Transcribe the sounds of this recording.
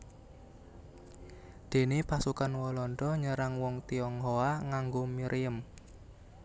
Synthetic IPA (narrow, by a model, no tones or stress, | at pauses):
d̪̥e̤nepasukanwɔlɔnɖɔɲəɾaŋwɔŋt̪iɔŋɦoaŋaŋɡomiɾʔiəm